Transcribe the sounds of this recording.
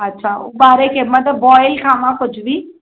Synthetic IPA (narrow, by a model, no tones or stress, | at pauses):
ɐtːʃʰaːobaːɾekemɐt̪ləbːɔːjlkʰaːmãkʊt͡ʃʰbʱiː